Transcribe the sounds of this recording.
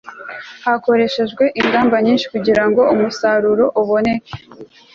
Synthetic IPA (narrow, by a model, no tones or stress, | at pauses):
hako̞ɾe̞ʃe̞ʒɡwe̞ʔiŋɡaːmbaɲiːnʃi̥kuɟiɾaŋɡo̞umusaɾuɾo̞ʔuβo̞ne̞ke̥